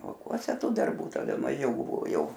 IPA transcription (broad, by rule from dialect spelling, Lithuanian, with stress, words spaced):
lˠɐʊˈkuɔsʲɛ ˈtuː dɐrˈbuː tɐˈdɐ mɐˈʒʲɛʊ ˈbʊʋoː ˈjɛʊ